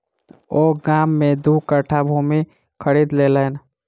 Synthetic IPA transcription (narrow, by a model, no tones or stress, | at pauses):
oːɡaːmːẽd̪uːkəʈʰabʱumi | kʰəɾiːd̪leːləːn